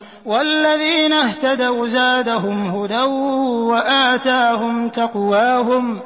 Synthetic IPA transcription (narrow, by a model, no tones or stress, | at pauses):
walːaðiːnaht̪ad̪awzaːd̪aɦʊmhʊd̪awwaʔaːt̪aːhʊmt̪ɑqwaːɦʊm